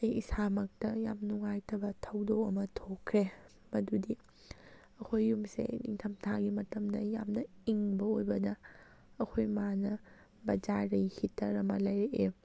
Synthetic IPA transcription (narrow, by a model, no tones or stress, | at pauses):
ɐjisamɐk̚tɐja̰mnuŋajtʰɐbɐtʰɐwdokɐmɐtʰokʰːɾe | mɐdudi | ɐkʰojːumsḛnḭŋtʰɐmtʰaɡimɐtɐmdɐjamnɐiŋbɐojbɐdɐː | kʰojmanɐ | bɐd͡ʒaɾijhitʰɐɾɐmɐlɐjɾeʔe